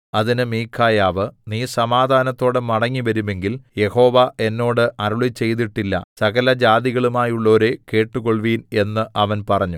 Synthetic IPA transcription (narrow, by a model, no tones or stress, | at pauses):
ɐðinɨmiːkʰːaːjaːʋɨniːsɐmaːd̪ʱaːnɐt̪ːo̞ːɽemɐɽɐŋːiʋɐɾume̞ŋɡilje̞ho̞ːʋɐʔe̞nːo̞ːɽɨʔɐɾuɭit͡ɕːe̞jt̪iʈːilːɐ̰sɐɣɐlɐd͡ʑaːd̪iɣɐɭumaːjuɭːo̞ːɾeke̞ːʈːuɣo̞ɭʋiːne̞nːɨʔɐʋɐnpɐrɐɲːu